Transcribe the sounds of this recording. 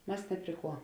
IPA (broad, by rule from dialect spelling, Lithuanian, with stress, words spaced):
ˈmɐs ˈnʲɛ pʲrʲɪ ˌkuɔ